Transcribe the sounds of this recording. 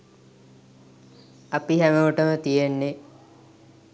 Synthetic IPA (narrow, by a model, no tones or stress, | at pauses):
ɐpiɦæməʋuʈəmət̪ijenːe